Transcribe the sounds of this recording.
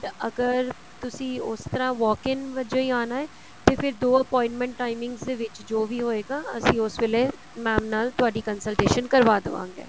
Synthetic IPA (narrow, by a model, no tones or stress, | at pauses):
əɡəɾ | t̪ʊsĩːʊst̪əɾãːʋɔːkɪnʋəd͡ʒoːiːaːnaːɛː | t̪eːpʰɪɾd̪oːəpɔːɪ̃ɳʈmɛ̃ɳʈːaːɪmɪ̃ŋɡsd̪eːʋɪt͡ʃd͡ʒoːʋiːɦoːeːɡaːəsĩːʊsʋɪleː | mɛ̃ːmnaːlt̪ʊaːɖiːkənsəlʈeːʃənkəɾʋaːd̪əʋã̰ːŋɡḛː